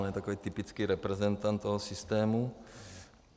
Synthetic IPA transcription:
njɛt̪akoviːt̪ɪpɪt͡skiːɾɛpɾɛzɛnt̪ːant̪ːoɦosɪst̪ɛːmu

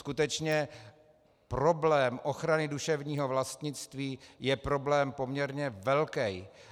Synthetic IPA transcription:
kut̪ɛt͡ʃɲɛ | pɾo̞blɛːmʔo̞xɾanɪduʃɛvɲiːɦo̞vlast̪ɲɪt͡st̪viːjɛpɾo̞blɛːmpo̞mɲɛɾɲɛvɛlkɛj

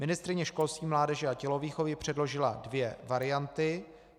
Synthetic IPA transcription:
mɪnɪst̪ɾɪɲɛʃko̞lst̪viːmlaːdɛʒɛacɛlo̞viːxovjɪpr̝̥ɛdlo̞ʒɪladvjɛvaɾɪjant̪ɪ

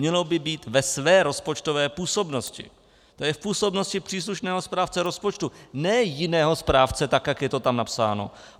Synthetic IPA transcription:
ɲɛlo̞bɪbiːt̪vɛsvɛːɾo̞spo̞t͡ʃt̪ovɛːpuːso̞bno̞scɪ̰ | t̪o̞jɛfpuːso̞bnoscɪpr̝̥iːs̬luʃnɛːɦospɾaːft͡sɛɾo̞spot͡ʃt̪unɛːjɪnɛːɦo̞spɾaːft͡sɛt̪akjakjɛt̪ot̪amnapsa̰ːno̞̰

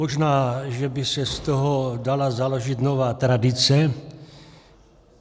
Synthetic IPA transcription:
moʒnaːʒɛbɪsɛst̪oɦodalazaloʒit̪novaːt̪ɾadɪt͡sɛ

